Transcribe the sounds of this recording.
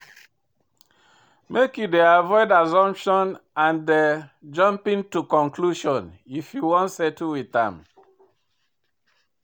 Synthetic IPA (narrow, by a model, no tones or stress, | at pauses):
mekjudeavɔɪdazɔ̃mpʃɔ̃nãnded͡ʒɔ̃mpĩntukɔ̃ŋkluʃɔ̃nifjuwɔ̃nsɛtuwiθã̰m